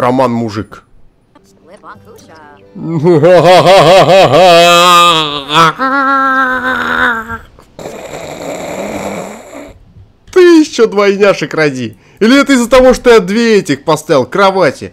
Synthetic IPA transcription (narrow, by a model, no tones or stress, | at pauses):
ɾɐmanmʊʐɨk | ɦaɦaɦaɦaɦaɦa | t̪ɨjɪɕːod̪vɐjnʲaʂɨkrɐdʲi | ilʲɪɛt̪əɪzːət̪ɐvo̞ʂt̪ojad̪vʲeɛtʲɪxpɐst̪aɪlˠkɾɐvatʲɪ̰